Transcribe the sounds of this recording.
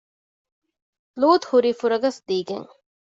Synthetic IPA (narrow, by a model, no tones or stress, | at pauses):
loːt̪huɾiːfuɾɐɡɐsd̪iːɡḛŋ